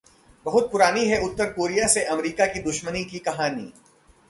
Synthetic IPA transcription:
bɐɦʊt̪̚pʊɾaːniɦɛʊt̪ːəɾkoːɾijaseʔɐmɾiːkakid̪ʊʃmənikikɐɦaːnḭː

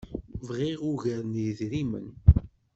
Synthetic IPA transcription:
vʁɪʁʊʝəɾnjəðɾimə̰n

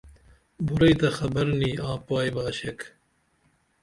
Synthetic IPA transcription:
bʊɾɐjt̪ɐxɐbɐɾniːaːpaːjbaːʃɛk

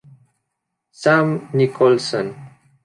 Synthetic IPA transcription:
samnikolsən

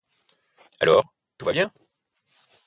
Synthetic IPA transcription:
a̰lɔːʁ | t̪uvabjɛ̃

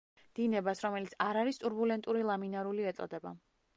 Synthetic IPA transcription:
d̪̥inɛbasɾɔmɛlit̪sʰaɾaɾist̪ʼuɾbulɛnt̪ʼuɾilˠaminaɾuliɛt̪sʼɔ̰d̪ɛba̰

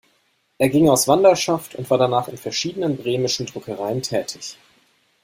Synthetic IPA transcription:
ʔeːɐɡɪŋaʊsv̥andɐʃaftʊ̰ntv̥aːɐdanaːχɪnfɛɐʃiːdənənbʁeːmɪʃn̩dʁʊkʰəʁaɪəntʰɛːtʰɪç

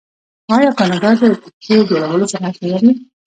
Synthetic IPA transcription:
ɑjɑkɑnɑd̪ɑd̪ət̪ʊkejod͡ʒoɽawəlosaɾaʃalaɾi

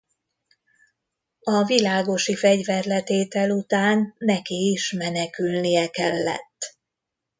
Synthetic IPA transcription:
ɒvilaːɡo̞ʃifɛɟvɛrlɛt̪eːt̪ɛlut̪aːnːɛkiːʃmɛnɛkylnijɛkɛlːɛ̰t̪ː

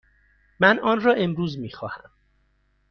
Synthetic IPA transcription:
mænʔɒːnrɒːʔe̞mɾuːzmiːxɒːhæm

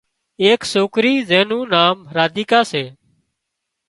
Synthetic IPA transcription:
eːksoːkɾiːzẽːnũːnaːmɾaːd̪iːkaːseː

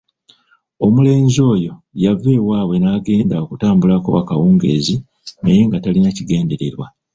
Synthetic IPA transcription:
o̞mule̞ːɲzo̞ːjo̞ | jave̞ːwaːwe̞naːɡe̞ːndaokutaːmbulako̞̰wakawuːŋɡe̞̰ːzi | neje̞ŋɡatalinaciɡe̞ːnde̞ɾe̞̰ɾwa

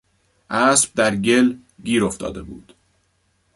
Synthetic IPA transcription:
ʔæːsb̥̚d̪æɾɟe̞l | ɟiːɾo̞ft̪ʰɒ̰ːd̪e̞bṵːd̪̥

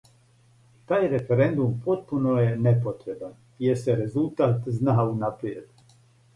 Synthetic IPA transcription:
t̪aːjɾefeɾend̪umpʰot̪̚punojenepot̪ɾe̞ban | jeseɾezult̪aːt̪znaːunapɾijed̪u

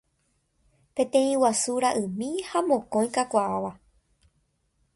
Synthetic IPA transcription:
pẽ̞t̪ẽ̞ĩwasuɾaʔɨ̃mĩhamõ̞kõ̞j̃kakʷaaʋa

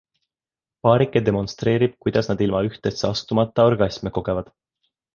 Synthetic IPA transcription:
pɑːɾikːˑed̪e̞mo̞nst̪ɾe̞ːɾib̥kujd̪̥ɑsnɑd̪̥ilmɑyht̪est̪seɑst̪umɑt̪ːˑɑorɡ̥ɑsʲmeko̞ɡ̥e̞vɑd̪̥

